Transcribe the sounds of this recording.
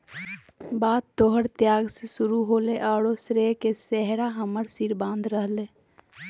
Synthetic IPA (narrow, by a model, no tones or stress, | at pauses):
baːd̪̚t̪oɦəɽt̪jaːɡsesʊɾuɦoːleʔaːɽosɾekesɛɦɽaɦəməɾsiɾbãːnd̪ɾəɦleː